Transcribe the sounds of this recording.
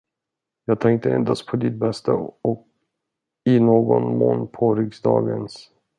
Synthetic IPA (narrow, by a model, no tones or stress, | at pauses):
jɑːt̪ʰɛŋk̚t̪əɛnd̪aspʰɔd̪ɪt̪̚bɛst̪aɔk | ɪnoːɡɔnmoːnːpʰɔɾʏksd̪ɑːɡəns